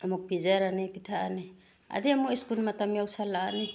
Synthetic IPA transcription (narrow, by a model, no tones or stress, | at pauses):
amɔk̚pid͡ʒaɾanipit̪ʰaani | a̰d̪iamuiskunmat̪amiawsalaːni